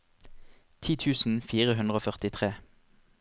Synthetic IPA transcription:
t̪ʰiːt̪ʰʉːsn̩fiːʁəɦʉnʁoːfœʁt̪ɪt̪ʰʁeː

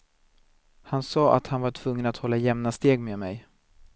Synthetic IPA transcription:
hansɑːʔa̰t̪hanvaʈʰv̥ɵŋːənat̪hɔlːajɛmnast̪eːɡmeːd̪mɛ̰j

